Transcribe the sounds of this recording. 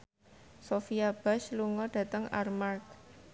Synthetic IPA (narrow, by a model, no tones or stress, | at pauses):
sofiab̥a̤ʃluŋɔɖ̥a̤t̪əŋʔa̰rmark̚